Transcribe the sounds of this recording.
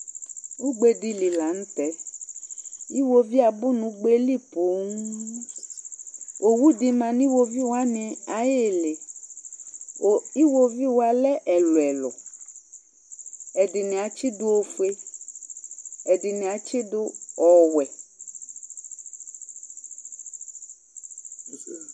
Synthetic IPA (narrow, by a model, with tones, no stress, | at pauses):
wo˦ɡ͡be˦di˦li˨la˨ŋ̩̃˦t̪ɛ˦ | i˦wo˦vi˦a˨bu˦nũ˨ɡ͡be˦li˦po˨˦ŋ˦ | o˨wu˦di˨mã˨nĩ˦wo˦vi˦wo˨˦a˦nẽ˨a˨je˦le˨ | o˨i˦wo˦vi˦wo˨˦a˨lɛ˦ʔɛ˨lo˨ɛ˨lɔ̰˨ | ɛ˨de˨nẽ˨a˨t͡ʃi˦do˦o˦fe˦ | ɛ˨di˨nẽ˨a˨t͡ʃe˦do˦ɔ˨wɛ˨